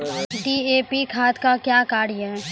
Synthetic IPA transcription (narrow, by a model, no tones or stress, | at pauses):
ɖiːeːpikʰaːt̪kakjaːkaːɾjə̃